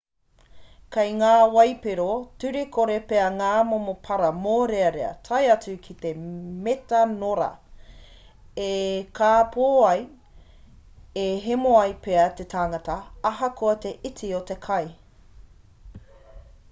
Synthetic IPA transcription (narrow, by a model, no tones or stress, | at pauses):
kɐjŋaːwɐjpeɾotʉɾekʰoɾepeɐŋaːmomopʰɐɾɐmoːɾeɐɾeɐ̰tʰɐjɐt͡sʉkʰit̪emetɐnoɾɐ̰ | ekʰaːpʰoːɐj | eɦemoɐjpeɐt̪et̪ʰaːŋɐtɐɐɦɐkoɐt̪e̞ʔitiot̪ekʰɐj